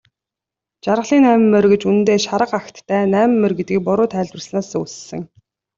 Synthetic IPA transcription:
t͡ɕaɾʁə̆ɮiːnæːmɘ̆mːerɡĕt͡ɕunt̪eːʃaɾə̆qaxt̪ʰːæːnæːm̆mːerɡet̪̚ɡiːk̚pʊɾʊːt̪ʰæːɮt̪wə̆rsnaːsus̆sɘ̆ŋ

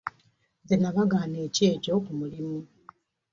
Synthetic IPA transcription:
zenaβaɡaːneːceːco̞kumulimu

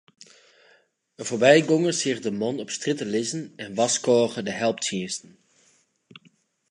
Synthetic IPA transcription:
ənvoːɹbɛjɡɔŋəshirdəmɔnɔpstrɪtəlɪzənɛnʋɑskoːɣədəɦɛlˠptiənstən̩

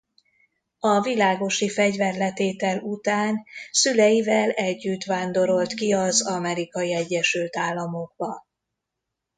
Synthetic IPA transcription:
ɒvilaːɡo̞ʃifɛɟvɛrlɛt̪eːt̪ɛlut̪aːnsylɛjivɛlɛɟːyt̪ʋaːnd̪o̞ɾo̞lt̪kiɒzɒmɛɾikɒjiɛɟːɛʃylt̪aːlːɒmo̞ɡ̥̚bɒ

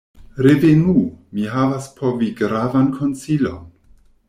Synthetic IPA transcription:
ɾevenumiɦavaspʰo̞viɡɾavankʰo̞nt͡silo̞̰n

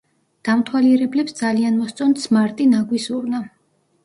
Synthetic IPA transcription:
d̪̥amt̪ʰwaliɾɛblɛpsd̪zalianmɔst̪sʼɔnt̪smaɾt̪ʼinaɡwisuɾna

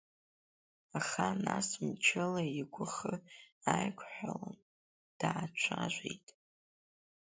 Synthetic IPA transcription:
aχanasmt͡ʃʰɪlaiɡʷʰʊχəajkʷʰʼħʷᶣalan | d̥aːt͡ʃʷʰaʒʷejtʼ

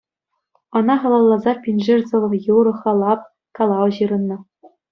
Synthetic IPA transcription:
ɤ̆nɑχɑlˠɑlˠːɑzɑpʲinʲʐɘrʲzɤ̆ʋɤ̆juɾɤ̆χɑlˠɑp̚ | kɑlˠɑɤ̆ʑɯɾɤ̆nːɤ̆

